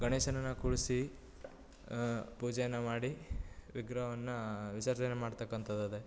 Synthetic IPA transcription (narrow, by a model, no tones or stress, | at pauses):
ɡɐneːʃɐnɐnːɐkuɭsi | puːd͡ʒɐjɐnːɐmaːɽiʋiɡɾɐʋɐnːɐʋisɐɾd͡ʒɐnemaːɽt̪ɐkːɐnt̪ʰɐd̪ɐd̪e